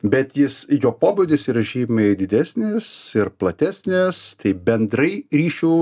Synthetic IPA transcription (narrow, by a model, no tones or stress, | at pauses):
bʲɛt̪jɪsjoːpoːbʊd̪ʲɪsiːɾɐʒʲiːmɐɪd̪ʲɪd̪ʲæːsʲnʲɪsɪɾplˠɐt̪ʲæːsʲnʲest̪ɐɪbʲɛnd̪ɾɐɪɾʲiːʃʲuː